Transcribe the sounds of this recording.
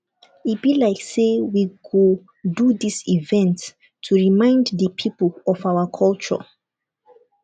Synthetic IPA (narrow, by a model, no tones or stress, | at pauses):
it̚b̥ilaɪksewiɡo | duðisivɛ̃ntʰː | uɹimãɪ̃ndðəpʰipəlɔfawəkʰɔlt͡ʃə̰